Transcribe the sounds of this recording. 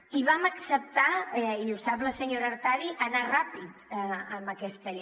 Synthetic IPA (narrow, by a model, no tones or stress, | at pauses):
iβaməksəp̚t̪aiusapləsəɲoɾəːɾt̪aðiʔənarapit̪əmbəkɛst̪əʎ